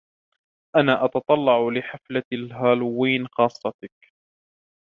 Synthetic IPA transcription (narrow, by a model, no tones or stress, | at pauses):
ʔanaːʔɑt̪ɑt̪ˤɑlːɑʕlɪħaflalɦaːlʊwːiːnxɑːsˤːɑt̪ak